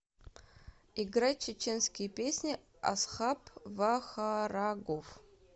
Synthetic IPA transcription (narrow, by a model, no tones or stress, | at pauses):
iɡɾat͡ʃʰːɪt͡ʃʰenskʲɪjpʲesʲnʲi | a̰sχapʰvaxaɾaɡof